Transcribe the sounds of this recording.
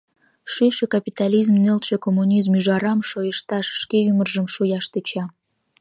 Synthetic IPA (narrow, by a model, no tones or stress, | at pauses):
ʃyʃĕkɑpʲit̪ɑlizmnelt̪ʃĕkomːunʲizmyʒɑɾɑmʃojəʃt̪ɑʃʃkeymərʒə̆mʃujɑʃt̪et͡ɕɑ